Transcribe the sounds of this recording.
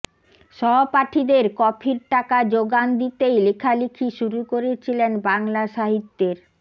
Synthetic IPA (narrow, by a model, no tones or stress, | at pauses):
ʃɔɦopaʈʰid̪eɾkɔpʰiɾʈakad͡ʑoɡand̪it̪ejlekʰalikʰiʃuɾukoɾet͡ɕʰilenbaŋlaʃaɦit̪ːeɾ